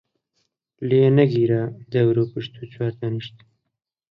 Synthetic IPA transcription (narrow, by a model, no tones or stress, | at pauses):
lenɐɡiːɾaːd̪ɐwɾoːpɨʃt̪ut͡ɕwaːɾt̪ɐnɨʃt̪